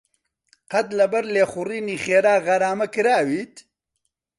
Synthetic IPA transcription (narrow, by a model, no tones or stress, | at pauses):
qɐt̪lɐbɐɾleːxʊriːniːxeːɾaːɣɐɾaːmɐkɨɾaːwiːt̪